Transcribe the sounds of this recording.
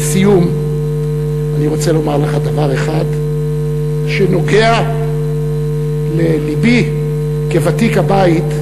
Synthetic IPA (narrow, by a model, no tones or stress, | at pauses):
sijum | aniʁo̞t͡se̞lo̞maʁleχadavaʁe̞χad̪ | ʃeno̞ɡe̞a | lelibi | kevatikhabait